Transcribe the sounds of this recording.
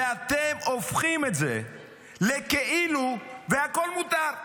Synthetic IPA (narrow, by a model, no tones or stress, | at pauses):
at̪emofχimetzḛ | lekeiluveako̞lmut̪aʁ